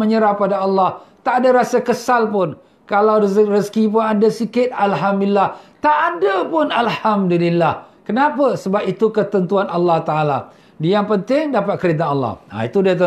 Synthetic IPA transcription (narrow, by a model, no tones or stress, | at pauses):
məɲəɾapadaɑlːɑht̪aʔadaɾasakəsalpʊn | kalawrəskip̬ʊnadasikɪt̪̚alɦamdulilaht̪aʔːdapʊnalhamdulilːahkənãpəsəbap̚it̪ukət̪ənt̪uanʔɑlːɑht̪aʔala | dijaŋpənt̪ɪŋdapat̪̚kəɾit̪̬aɑlːɑ̰ha̰it̪udiat̪ə